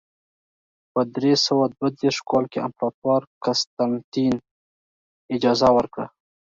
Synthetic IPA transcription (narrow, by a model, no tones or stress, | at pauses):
pəd̪ɾesəwad̪wad̪eʂkɑlkea̰mpɾɑt̪wɑɾkast̪ant̪in | ɪd͡ʒɑzawəɾkɽa̰